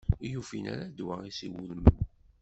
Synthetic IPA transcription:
jufina̰ɾad̪waisiwulmən

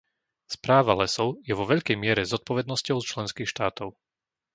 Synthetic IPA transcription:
spɾaːʋalɛsɔʊjɛʋɔʋɛʎkɛjmɪɛɾɛzɔt̪̚pɔʋɛd̪nɔscɔʊst͡ʃlɛnskiːxʃt̪aːt̪ɔʊ

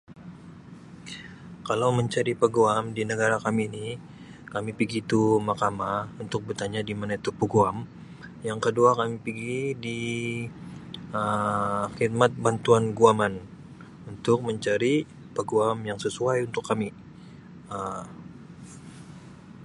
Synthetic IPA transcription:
kalawməɲt͡ʃaɾipəɡuamdinəɡaɾakamini | kamipiɡit̪umakamaunt̪ʊk̚bərt̪aɲadimanait̪upəɡuam | jaŋkəduakamipiɡidi | əxid̪̚mat̪̚bant̪uanɡuaman | unt̪ʊk̚məɲt͡ʃaɾi | pəɡuamjaŋsəsuajunt̪ʊkːami | ə

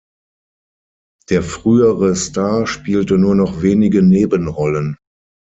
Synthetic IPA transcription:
d̥eːɐfʁ̥yːəʁəstaɐʃpiːltənuːɐnɔχv̥eːnɪɡəneːbənʁɔlən

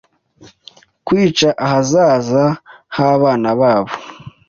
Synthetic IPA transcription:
kwiːt͡ʃaʔahazaːzahaβaːnaβaːβo

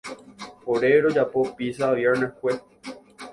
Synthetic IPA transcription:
oɾeɾod͡ʒapopisaːʋjeɾnekwʷe

